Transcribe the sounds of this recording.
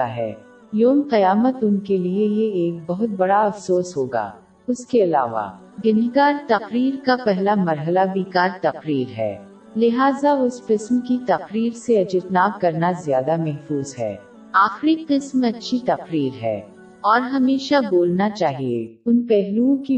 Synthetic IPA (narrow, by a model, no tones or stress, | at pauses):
a̰ɦɛ̰ː | joːmqɐjaːmət̪ʊnkeliejeeːk̚bɐɦʊt̪̚bɐɽaɐfsoːsɦoːɡa̰ː | ʊskeɐla̰ːʋa̰ | ɡɪniɡaːɾt̪ɐqɾiːɾkapɛɦlamɐɾɦəlaʋiːkaːɾt̪ɐqɾiːɾɦɛ̰ː | lɪɦaːzaʊsqɪsmkit̪ɐqɾiːɾseɐd͡ʒɪt̪naːb̚kɐɾnazjaːd̪amɛɦfuːzɦɛ̰ː | aːxɾiqɪsmɐtːʃʰit̪ɐqɾiːɾɦɛ̰ː | ɔːɾɦɐmeːʃaboːlnat͡ʃaːɦiḛʊnpɛɦluõki